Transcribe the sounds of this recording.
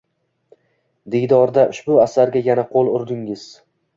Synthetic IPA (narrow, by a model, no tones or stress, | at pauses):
d̪ejd̪ɒɾd̪aʔʊ̰ʃbʊasaɾɡʲajanaqʰolˠʊɾd̪ɪŋɪz̥